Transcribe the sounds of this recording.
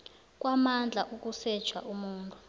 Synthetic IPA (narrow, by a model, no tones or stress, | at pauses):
k̬ʼwamand͡ɮʱaʔuk̬ʼusɛd̥ʒ̥ʰʱwaʔumuːntʼu